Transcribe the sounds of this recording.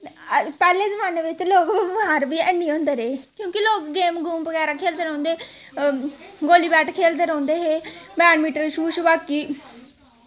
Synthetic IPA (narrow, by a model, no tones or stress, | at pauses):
pɛːleːzəmaːneːʋɪt͡ʃloːɡbəmaːɾbiːɛnːiːõːnd̪eːɾeːkjõːkiloːkɡeːmɡuːmbəɡɛːɾaːkʰeːld̪eːɾɔ̃ːnd̪eː | ɡoːliːbɛːʈʰkʰeːld̪eːɾɔ̃ːnd̪eːɦeːmɛːnmiːʈəlʃuːʃbaːkiː